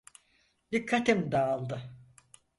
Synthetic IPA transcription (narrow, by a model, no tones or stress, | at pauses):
d̪ikʰːat̪imd̪aːlˠd̪ɯ